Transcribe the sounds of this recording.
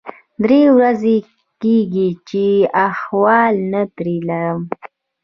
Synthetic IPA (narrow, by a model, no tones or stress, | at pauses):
d̪ɾewɾaze | keɡit͡ʃeaxwɑlnat̪ɾilaɾəm